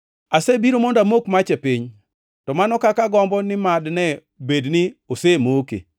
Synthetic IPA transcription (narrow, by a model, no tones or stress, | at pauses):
asebiɾomondamokmat͡ʃɛpɪɲ | tɔmanɔkakaɡɔmbɔnɪmadnɛ | bednɪosemokḛ